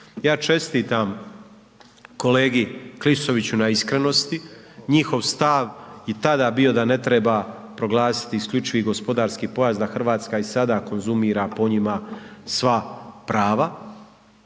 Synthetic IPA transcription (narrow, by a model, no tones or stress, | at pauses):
jaːt͡ʃe̞st̪iːt̪am | ko̞le̞ːɡiklisoʋit͡ɕunaiskɾeno̞st̪i | ɲixo̞ʋst̪aʋjet̪ad̪aːbio̞d̪ane̞t̪ɾe̞ba | pɾo̞ɡlˠaːsi̥t̪iːskʎʲut͡ʃiʋiɡo̞spo̞d̪aːɾskiːpo̞jazd̪axr̩ʋaːt̪skaisad̪ako̞nzumiːɾapo̞ɲimasʋapɾaːʋa